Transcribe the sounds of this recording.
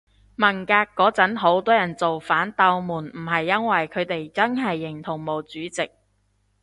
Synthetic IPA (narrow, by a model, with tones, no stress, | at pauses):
mɐ˨˩nkaː˧kːɔː˨˥t͡sɐ˨˥nɦo˨˥wt̪ɔː˥jɐ˨˩nt͡so˨wfaː˨˥nt̪ɐ˧wmuː˨˩nm̩˨˩ɦɐ˨jːɐ˥nwɐ˨jkʰɵ˨˧ɥt̪e˨jt͡sɐ˥nɦɐ˨jːɪ˨˩ŋt̪ʰʊ˨˩ŋmo˨˩wt͡syː˨˥t͡sɪ˨k̚